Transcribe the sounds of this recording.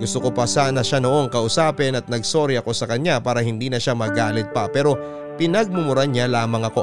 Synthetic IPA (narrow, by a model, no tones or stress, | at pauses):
ɡʊst̪oko̞pɐsanɐʃano̞ʔo̞ŋkɐʔʊsaːpɛnɐt̪̚nɐɡso̞ɾɪɐko̞sɐkɐɲapaːɾɐhɪnd̪iːnɐʃamɐɡaːlɪt̪̚pɐpɛːɾo̞ | pɪnɐɡ̚mʊmʊɾaɲalaːmɐŋɐko̞